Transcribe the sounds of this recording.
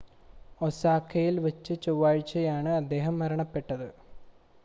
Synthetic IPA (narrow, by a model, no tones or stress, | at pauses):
osaːkʰːɐjilʋet͡ɕːɨt͡ɕowːaːɻt͡ɕːɐjaːɳɨɐd̪ːe̞ːɦɐmːɐɾɐɳɐpːe̞ʈːɐðɨ